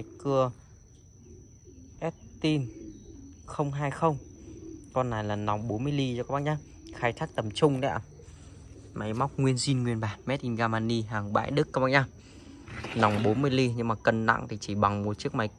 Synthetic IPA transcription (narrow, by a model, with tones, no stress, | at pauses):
ma˨˦jkɨ˧ə | ʔɛ˦˥t̚t̪i˧n | xə˧wŋ͡mɦaː˧jxə˧wŋ͡m | kɔ˧nːaː˨˩jlaː˨˩na˨˦wŋ͡mɓo˨˦nmɨ˧əjli˧t͡ɕɔ˧kaː˧˦˥ɓa̰˧˨ɲaː˧ | xaː˧jt̪ʰaː˦˥k̚t̪ə˨˩mt͡ɕʊ˧ŋ͡mnɛ̰˧˥ə | ma˨˦jma˦˥wk͡p̚ŋwi˧ənzi˧nŋwi˨˩ənɓaː˨˩nmɛ˦˥t̚ʔi˧nɣaː˧maː˧ni˧ɦaː˨˩ŋɓa̰ː˧˨jɗɨ˦˥k̚ːaː˦˥ɓa̰ː˧ɲaː˧ | na˨˦wŋ͡mɓo˨˦nmɨ˧əjli˧ɲɨ˧ŋmaː˨˩kə˨˧nna̰˧˨ŋt̪ʰi˨˩t͡ɕi˧˩ɓa˨˩ŋm˨˩t̚t͡ɕɨ˦˥ək̚ma˨˦j